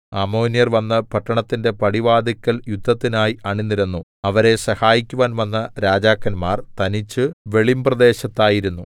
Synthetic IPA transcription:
ɐmoːnijɐrʋɐnːɐpɐʈːɐɳɐt̪ːinde̞pɐɽiʋaːd̪ʱikʲːɐljud̪ʱːɐt̪ːinaːjiɐɳinːiɾunːuɐʋɐɾe̞sɐhaːjikʲːuʋaːnʋɐnːɐɾaːd͡ʑaːkːɐnmaːrt̪ɐnit͡ɕːɨʋe̞ɭimprɐd̪e̞ːɕɐt̪ːaːjiɾunːu

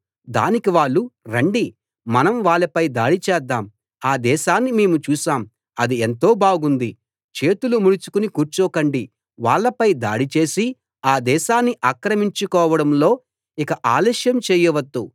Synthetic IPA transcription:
d̪a̰ːnikiʋaːɭːuɾɐɳɖi | mɐnɐmʋaːɭɐpɐjd̪aːɽit͡ʃɛːd̪ːaːm | aːd̪ɛːʃaːnːime̞ːmut͡ʃuːʃaːm | ɐd̪ient̪o̞ːbaːɡund̪i | t͡ʃe̞ːt̪ulumuɽit͡ʃu̥kunikuːɾt͡ʃɔːkɐɳɖi | ʋaːɭːɐpɐjd̪a̰ːɽit͡ʃe̞ːsi | aːd̪ɛːʃaːnːiʔaːkɾɐmiɲt͡ʃukɔːʋɐɽɐmlo̞ː | ikɐʔaːlɐːʃjɐmt͡ʃeːjɐʋɐd̪ːu

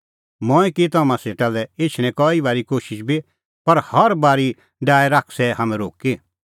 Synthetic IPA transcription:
mɔ̃ːikit̪̬ɐmãseːʈalɛeːt͡ʃʰɽ̃ɛ̃kɔibaːɾikoːʃɪʃbi | pɐɾhɐɾbaːɾi | ɖaːɛɾakʰsɛɦaːmɛ̃ɾoːki

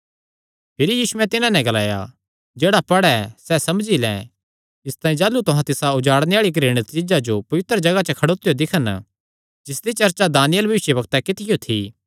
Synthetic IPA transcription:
pʰɪɾijiːʃʊɛ̃t̪ɪnãnɛ̃ɡɐlaːja̰ | d͡ʒeːɽapɐɽɛsɛsɐmd͡ʒilɛ̰̃ | ɪst̪ãːĩd͡ʒaːlut̪ʊɦãt̪ɪsaʊd͡ʒaːɽneaːɭik̬ɾeːɽ̃ət̪t͡ʃɪd͡ʒad͡ʒopɐʋɪt̪ɾəd͡ʒɐɡat͡ʃəkʰɐɽoːt̪ːɪjod̪ɪkʰən | d͡ʒɪsd̪it͡ʃɐɾt͡ʃad̪aːnɪjəlbʱɐʋɪʃjəbɐkt̪ɛkɪt̪ɪjot̪ʰḭː

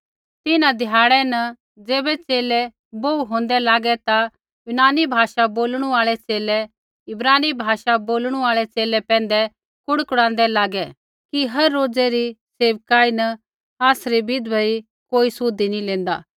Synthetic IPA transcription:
t̪ɪnãd̪ʱɪjaːɽɛnɐ | d͡zeːbɛt͡seːlɛ | boːuɦõːn̆d̪ɛlaːɡɛt̪a | jʊnaːnibʱaːʃaboːlɽ̃uaːɭɛt͡seːlɛ | ɪbɾaːnibʱaːʃaboːlɽ̃uaːɭɛt͡seːlɛpɛ̃ːn̆d̪ɛ | kʊɽkʊɽ̃ãːn̆d̪ɛlaːɡɛ | kiɦɐɾːoːd͡zɛɾiseːʋkaːinɐ | aːsɾibɪd̪bʱɐi | koːisʊd̪inĩlẽːnd̪a̰ː

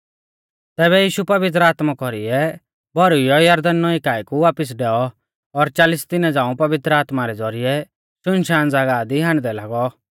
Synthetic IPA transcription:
t̪ɛːβɛjiːʃupɐʋɪt̪̬ɾəaːt̪makɔɾiɛ | bʱɔɾʊjɔjɐɾd̪ənːɔikaːikuʋaːpɪs̬ɖɛɔ | ɔɾt͡ʃaːlɪst̪ɪnɛ̃d͡zãːũpɐʋɪt̪ɾaːt̪maɾɛd͡zɔɾɪjɛ | ʃʊnʃaːnd͡zaɡaːd̪iɦãːɳd̪ɛlaːɡɔ

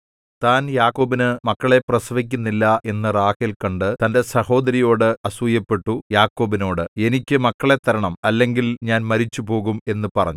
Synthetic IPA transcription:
t̪aːnjaːkːo̞ːbinɨmɐkːɐɭe̞prɐsɐʋik̬ʲːunːilːɐʔe̞nːɐraːhilkɐɳɖɨt̪ɐnde̞sɐho̞ːd̪ɐɾijo̞ːɽɨɐsujɐpːe̞ʈːujaːkːo̞ːbino̞ːɽɨe̞nikʲːɨmɐkːɐɭe̞t̪ːɐɾɐɳɐmɐlːe̞ŋɡilɲaːnmɐɾit͡ɕːupo̞ːɣume̞nːɨpɐrɐ̰ɲːu

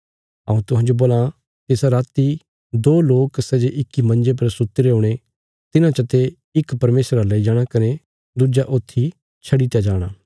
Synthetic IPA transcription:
ɐ̰ũt̪ʊɦãːd͡ʒoboːlã | t̪eːsaɾaːt̪i | d̪oːloːksɛːd͡ʒeʔɪkːimɐ̃nd͡ʒep̬ɐɾsʊt̪ːɾeõːɽ̃e | t̪ɪnãt͡ʃɐt̪e | ɪkpɐɾmeːsɾalɐid͡ʒaːɽ̃akɐne | d̪ud͡ʒaʔoːt̪ʰːi | t͡ʃʰɐɽit̪jad͡ʒaːɽ̃aː

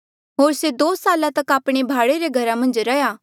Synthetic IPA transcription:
ɦoːɾsed̪oːsaːlãt̪ɐkaːpɽ̃ebʱaːɽeɾeɡʱɐɾamɐ̃nd͡ʒɾɐjaː

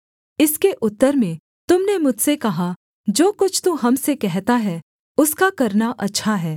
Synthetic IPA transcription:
ɪskeʔʊt̪ːəɾmẽ | t̪ʊmnemʊd͡ʒʱsekɐɦa | d͡ʒoːkʊt͡ʃʰt̪uɦɐmsekɛɦt̪aɦɛː | ʊskakɐɾnaʔɐtːʃʰaɦɛː

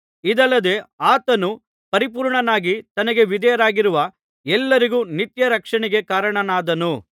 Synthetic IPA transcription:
id̪ɐlːɐd̪e̞aːt̪ɐnu | pɐɾipuːɾɳɐnaːɡit̪ɐnɐɡe̞ʋid̪ɐjɐɾaːɡiɾuʋɐ | ɛlːɐɾiɡuːnit̪jɐɾɐkʂɐɳiɡe̞kaːɾɐɳɐnaːd̪ɐnu

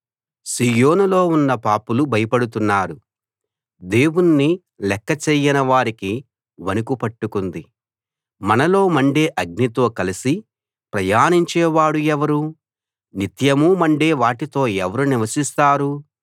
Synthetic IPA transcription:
siːjo̞ːnulo̞ːunːɐpaːpulubʱɐjɐpɐɽut̪unːaːɾu | d̪eːwunːi | lɛkːɐt͡ʃeːjinɐʋaːɾiki | ʋɐnukupɐʈːukund̪i | mɐnɐlo̞ːmɐɳɖe̞ːʔɐɡ̚nit̪o̞ːkɐlisi | pɾɐjaːniɲt͡ʃɛːʋaːɽuɛʋɐɾu | nit̪jɐmuːmɐɳɖeːʋaːʈit̪o̞ːɛʋɐɾuniʋɐsist̪aːɾu

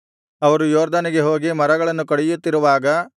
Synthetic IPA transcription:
ɐʋɐɾujoːɾd̪ʱɐniɡe̞ɦoːɡimɐɾɐɡɐɭɐnːukɐɽɛjut̪ːiɾuʋaːɡɐ

